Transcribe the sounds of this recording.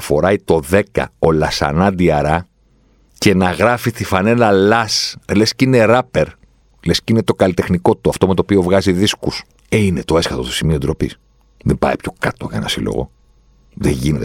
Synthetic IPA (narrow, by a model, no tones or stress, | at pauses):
fo̞ɾɐjt̪o̞ðe̞kɐ̰o̞lɐsɐ̰nɐd̪iɐɾɐ | ce̞nɐɣɾɐfist̪ifɐne̞lɐlɐslescine̞ɾɐpeɾ | lescinet̪o̞kɐlit̪e̞xniko̞t̪ːoɐft̪o̞me̞t̪opio̞vɣɐziðiskus | einet̪o̞e̞sxɐt̪ot̪o̥simio̞d̪ɾo̞pis | ðembɐ̰ipço̞kɐt̪oʝɐenɐ̰silo̞̰ɣo̞̰ | ðḛʝinet̪